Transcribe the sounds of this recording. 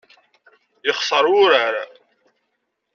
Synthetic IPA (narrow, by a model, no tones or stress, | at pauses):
jəχsˤəɾˤʊɾaɾa